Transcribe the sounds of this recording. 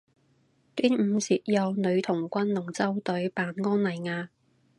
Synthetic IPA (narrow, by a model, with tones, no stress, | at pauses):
t̪yː˥nm̩˨˧siː˨˩t̚jɐ˨˧wnɵ˨˧ɥt̪ʰʊ˨˩ŋkʷɐ˥nlʊ˨˩ŋt͡sɐ˥wt̪ɵ˨˥ɥpaː˨˥nŋɔː˥nlɐ˨˩jŋaː˧